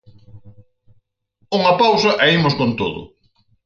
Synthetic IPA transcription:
uŋɐpawsɐʔɐimʊskont̪oðʊ̰

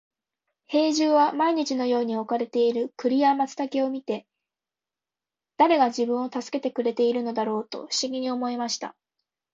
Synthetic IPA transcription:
he̞ːʑɨːβamaiɲ̟it͡ɕino̞jo̞ːɲ̟io̞kaɾe̞t̪e̞iɾɯ̟kɯ̟ɾʲiamat͡sɨ̥t̪akʲeo̞mʲit̪e̞ | d̪̥aɾe̞ɡad͡ʑibɯ̟̃ɰ̃o̞t̪asɨ̥ke̞t̪e̞kɯ̟ɾe̞t̪e̞iɾɯ̟no̞d̪aɾo̞ːt̪o̞̰ɸɯ̥ɕiɡʲiɲ̟io̞mo̞imaɕi̥t̪a̰

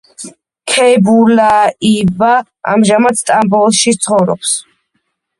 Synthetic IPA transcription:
kʰɛbulaiva | a̰mʒamad̪st̪ʼambɔlˠʃit̪sʰχɔvɾɔ̰ps

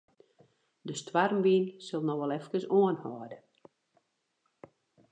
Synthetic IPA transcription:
dəstwarmʋiːnsølˠnɔxʋɛlˠɛfkəsoənhɔːdə

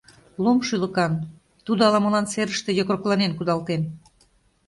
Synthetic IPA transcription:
lomʃylə̆kɑn | t̪ud̪oɑlɑmə̆lɑnseɾəʃt̪e̽jokroklˠɑnenkud̪ɑlt̪en

